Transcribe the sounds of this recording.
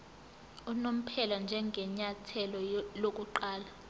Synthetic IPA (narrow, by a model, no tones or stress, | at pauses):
unom̩pʰɛland͡ʒʱɛŋɡʱɛɲatʰɛlɔlok̬ʼuǃaːla